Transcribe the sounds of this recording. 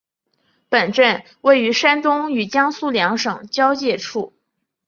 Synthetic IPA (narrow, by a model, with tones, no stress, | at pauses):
pə˨˩nʈ͡ʂə˥˩n | we˥˩ɪy˧˥ʂa˥nt̪ʊ˥ŋy˨˩t͡ɕjɑ˥ŋsu˥˩ljɑ˧˥ŋʂɤ˨˩ŋt͡ɕjɑ˥ʊt͡ɕjɛ˥˧ʈ͡ʂʰu˥˩